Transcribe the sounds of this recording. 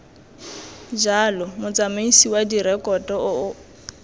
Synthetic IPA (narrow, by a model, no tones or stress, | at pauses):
d͡ʒalɔmʊt͡sʼamaisiwadiɾɛkʼɔtʼɔʊʊ